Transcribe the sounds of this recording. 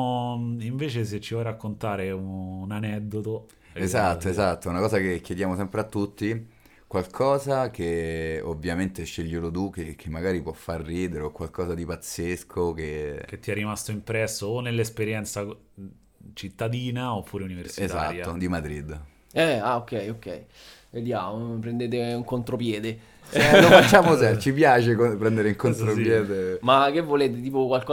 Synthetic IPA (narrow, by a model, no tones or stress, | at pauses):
iɱveːt͡ʃes̬et͡ʃːiɔjrakːont̪aːɾeunanɛd̪ːot̪o | ezat̪ːoezat̪ːounakɔːzakekjed̪jaːmosɛmpɾeat̪ːut̪ːi | kwalkʰɔːzakeovjament̪eʃːeʎːelod̪ukekʰemːaɡaːɾipwɔfːarːiːd̪eɾeokwalkɔːzad̪ipat̪sːeskʰok̟ek̟et̪ːiɛrːimast̪oimpɾɛsːoːnːelːespeɾjɛnt̪sa | t͡ʃit̪ːad̪iːnaopʰːuːɾeuniversiezaa̰ːɾjtaːod̪imad̪ɾid̪ː | ɛaokːɛjokːɛ̰j | ved̪jaːmopɾend̪eːt̪̬euŋkont̪ɾopjɛːd̪e | lofat͡ʃːaːmosɛt͡ʃipjaːt͡ʃekopɾɛnd̪eɾeuŋkont̪ɾopjɛːd̪emakːevːoleːt̪et̪iːpokwalkɔ